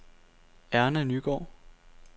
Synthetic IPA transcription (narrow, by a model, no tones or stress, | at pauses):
æɐnænyːɡ̥ɒ̰ː